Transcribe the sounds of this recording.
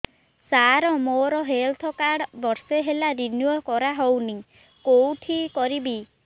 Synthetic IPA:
saɾɔmoɾɔɦelt̪ʰɔkaɽbɔɾseɦelaɾinuokɔɾaɦowni | kowʈʰikɔɾibi

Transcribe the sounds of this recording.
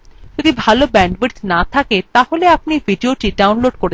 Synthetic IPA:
d͡ʒod̪ibʱalobɛɳɖʋeɾʈnat̪ʰaket̪aholeapniviɖioʈiɖawnloɖkoɾe

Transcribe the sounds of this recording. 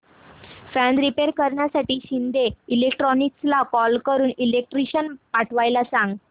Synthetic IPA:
fæ̃nɾipeɾkəɾɳjasaʈiːɕind̪eilekʈɾɔnikslakɔlkəɾuːnilek̚ʈɾiɕənpaʈʰʋajlasãŋɡ

